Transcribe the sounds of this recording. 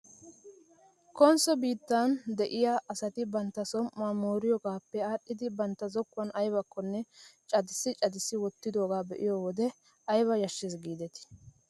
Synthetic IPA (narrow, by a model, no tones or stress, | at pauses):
kɔnsɔbiːt̪ːand̪ɛʔɪjaːʔɐsɐt̪ɪbɐnt̪ːɐsɔmʔːaːmoːɾɪjɔɡaːpːɛaːɗːɪd̪ɪbɐnt̪ːɐzɔkːʊwɐnɐjbɐkːɔnːɛt͡ʃʼɐd̪ɪsːɪt͡ʃʼɐd̪ɪsːɪwɔt̪ːɪd̪o̞ːɡaːbɛʔɪjɔːwɔd̪ɛ | ɐjbɐjɐʃːɛsɡiːd̪ɛt̪ɪ̥